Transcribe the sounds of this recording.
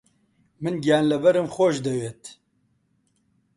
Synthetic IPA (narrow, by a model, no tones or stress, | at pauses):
mɨnɡijaːnlɐbɐɾɨmxoːʃd̪ɛweːt̪